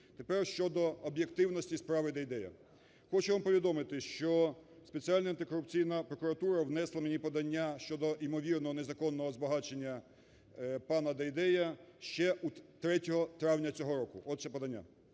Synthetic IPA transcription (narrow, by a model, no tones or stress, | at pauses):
t̪e̞pɛrʃt͡ʃɔd̪ɔɔbʲje̞kt̪ɪwnɔsʲtʲispɾɑʋɪd̪ɐjd̪ɛjɐ̰ | xɔt͡ʃɛʋampɔʋʲid̪ɔmɪt̪ɪʃt͡ʃɔspet͡sʲiɑlʲnɐɐnt̪ɪkɔɾʊp̚t͡sʲijnɐpɾɔkʊɾɐt̪uɾɐwnɛslˠɐmenʲipɔd̪ɐnʲːaʃt͡ʃɔd̪ɔʔimɔʋʲirnɔɦɔnezɐkɔnːɔɦɔzbɐɦɑt͡ʃenʲːɐ | pɑnɐd̪ɐjd̪ɛjɐʃt͡ʃɛʔut̪ɾɛtʲɔɦɔt̪ɾɑwnʲɐt͡sʲɔɦɔɾɔkʊʔɔd̪ʃɛpɔd̪ɐnʲːa̰